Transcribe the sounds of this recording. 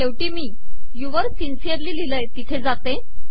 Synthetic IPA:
t̪eʋʈiːmiː | juʋəɾsinsijəɾliːliləjt̪it̪ʰed͡zat̪e

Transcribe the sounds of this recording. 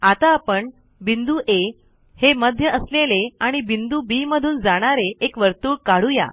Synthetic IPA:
at̪aːpəɳ | bind̪uʔe | heməd̪ʱjəəsleleaɽ̃ibind̪ubiməd̪ʱuːnd͡zaɽ̃aɾeekʋəɾt̪uːɽkaɽ̤uja̰

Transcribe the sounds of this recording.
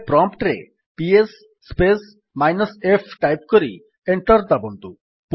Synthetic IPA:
pɾɔmpʈɾḛ | piesː | pes | majnɔsepʰʈajp̚koɾḭ | eɳʈɔɾd̪abond̪u | p

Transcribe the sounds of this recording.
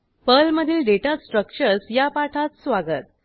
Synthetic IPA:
pəlməd̪ʱiːlɖeʈasʈɾək̚t͡ɕəɾsjapaʈʰat͡ssʋaɡət̪̚

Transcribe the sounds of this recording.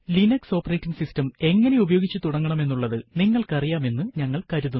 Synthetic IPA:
linɐkso̞ːpːɐreːtːiŋɡsistɐme̞ŋːɐneubɐjoːɡit͡ɕːɨt̪uɽɐŋːɐɳɐme̞nːuɭːɐðɨniŋːɐɭkɐrijaːme̞nːɨɲɐŋːɐɭkɐɾuðun

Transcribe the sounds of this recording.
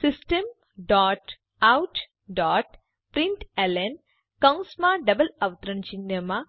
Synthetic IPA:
sisʈɐm | ɖaːʈ | awʈ | ɖaːʈ | pɾiɳʈelen | kɐwsmaːɖɐbɐlɐʋt̪ɾɐɳt͡ʃinːɐma

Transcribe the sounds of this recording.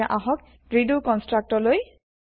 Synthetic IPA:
aʔaɦɔk̚ | ɹidukɔnstɹak̚tɔɹloj

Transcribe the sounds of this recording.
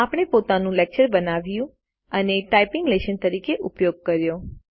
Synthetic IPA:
apɽ̃epot̪anũlɛk̚t͡ʃəɾbənaʋjũ | əneʈaipɪŋɡleʃənt̪əɾikeʔʊpjoɡ̚kəɾjo

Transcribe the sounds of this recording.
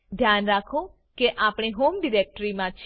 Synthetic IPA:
d̪ʱjanɾakʰõ | keʔapɽ̃eɦomɖiɾek̚ʈɾimãt͡ʃʰ

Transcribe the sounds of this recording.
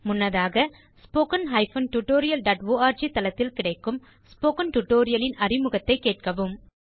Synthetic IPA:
mʊnːɐðaːɣɐ | spoːkɐnɦɐɪfɐnʈʊʈːoːɾɪjɐlɖɐːʈʋoːaːɾd͡ʒit̪ɐlɐt̪ːɪlkɪɽɐɪkːɯm | spoːkɐnʈʊʈːoːɾɪjɐlɪnɐrɪmɯɣɐt̪ːɐɪkːeːʈ̚kɐʋɯm

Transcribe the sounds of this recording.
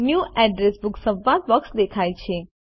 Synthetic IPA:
njuʔɛɖɾesbʊksə̃ʋad̪̚ʋəksd̪ekʰajt͡ʃʰe

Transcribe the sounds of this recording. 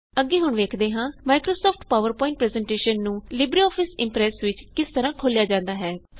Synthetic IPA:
əɡːeːɦʊɳʋeːkʰd̪eːɦãːmaːɪkɾoːsɔːpʰʈpaːʋəɾpɔ̃ːɪ̃ɳʈ̚pɾɛːzɛ̃ːɳʈeːʃənːũːlɪbɾiːɔːpʰɪsɪ̃mpɾɛːsʋɪt͡ʃkɪst̪əɾãːkʰoːljaːd͡ʒãːnd̪aːɦɛː

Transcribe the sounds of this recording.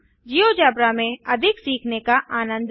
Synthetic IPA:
d͡ʒijod͡ʒaːbɾamẽɐd̪ʱɪksiːkʰnekaʔaːnə̃nd̪

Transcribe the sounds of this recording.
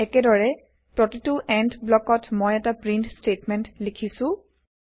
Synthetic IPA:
ɛkɛdɔɹɛ | pɹɔtituʔɛndblɔkɔtmɔjɛtapɹintstetmɛntlikʰisʊ̃

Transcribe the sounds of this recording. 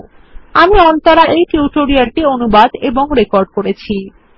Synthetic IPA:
amiɔnt̪oɾaʔejʈuuʈoɾiaɾʈionubad̪eboŋɾekoɾɖkoɾet͡ɕʰi

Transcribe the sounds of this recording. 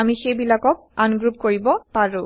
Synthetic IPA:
amixejbilakɔk̚anɡɹup̚koɹibɔpaɹu

